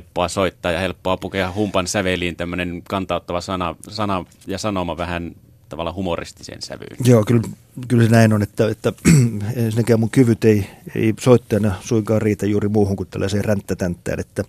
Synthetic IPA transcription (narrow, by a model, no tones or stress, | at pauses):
pːoɑsoit̪ːɑːjɑhelpːoɑpukeɑhumpɑnsæʋeliːnt̪æmːønenkɑnt̪ɑˑot̪ːɑʋɑsɑnɑ̰sɑnɑ | jɑsɑnomɑʋæhæn | t̪ɑʋɑlːˑɑhumorḭst̪i̥sḛːnsæ̰ʋy̰ːnjoːkyl | kylsenæinonet̪ːæet̪ːæeænsinækæːmuŋkyʋyt̪eiḛisoit̪ːɑjɑnɑsuiŋkɑːrriːt̪æjjuːrimuːhuŋkut̪t̪ælːɑseːrænt̪ːæt̪ænt̪ːˑæ̰ːnet̪ːæ